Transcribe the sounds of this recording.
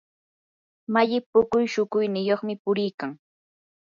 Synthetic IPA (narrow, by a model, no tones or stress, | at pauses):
maʎɪpʊkʊjʃʊkʊjnɪjoχmɪpʊɾɪjkaŋ